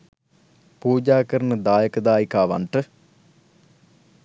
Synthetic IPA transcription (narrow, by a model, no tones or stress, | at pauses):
puːd͡ʒaːkɐɾɐnɨd̪aːjɐkɐd̪aːjikaːʋa̰ɳʈɨ